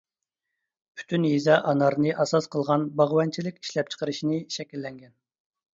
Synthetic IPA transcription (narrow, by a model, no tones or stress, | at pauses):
pʰy̥t̪ʰynɦizɑʔɑnɑɾnɨʔɑsɑsqʰəlˠʁɑnbɑʁwɑnt͡ʃʰilɪkʲi̥ʃlɛp̚t͡ʃʰə̥qəɾɨʃinɨʃɛkʲilːɛŋɡʲɛn